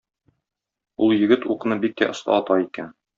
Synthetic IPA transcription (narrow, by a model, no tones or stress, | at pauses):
ulˠjɘ̆ɡɘt̪uqɤ̆nɤbik̪̚ːæ̰ʔŏst̪ɑ̰ɒt̪ɑikæn